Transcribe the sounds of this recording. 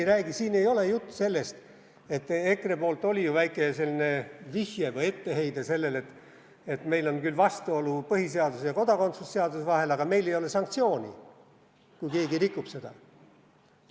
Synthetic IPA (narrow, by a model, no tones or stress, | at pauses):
ɾæːɡ̥isiːne̞jo̞le̞jut̪ːˑu̥se̞lːe̞st̪ | e̞t̪ːˑe̞krepo̞ːlt̪ːˑo̞lijuvæjkːˑe̞se̞lʲːine̞vihjevɤje̞t̪ːe̞ɦe̞jd̪ese̞lːe̞le̞t̪ːˑ | et̪me̞jlo̞nkylvɑst̪uo̞lupɤhis̬e̞ɑd̪usjɑko̞d̪̥ɑko̞nt̪susːe̞ɑd̪̥usvɑɦe̞lɑɡ̥ɑme̞jle̞jo̞lesɑŋk̚t̪sio̞ːnʲḭ | kujke̞ːɡirikˑːupse̞d̪̥ɑ